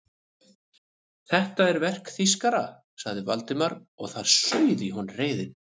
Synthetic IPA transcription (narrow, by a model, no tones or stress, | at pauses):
θɛht̪aɛɾvɛr̥kθiskaɾa̰ | saɣðɪvalt̪ɪmaɾɔɣθaɾ̥sœːɥðiɦunreːjðɪn